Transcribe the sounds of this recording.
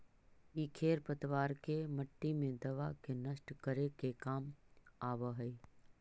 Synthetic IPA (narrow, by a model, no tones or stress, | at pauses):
iːkʰeːɾpət̪ʋaːɾkemɐʈːimẽd̪ɐʋa̰kenɐsʈkəɾekekaːmaːʋəɦɐi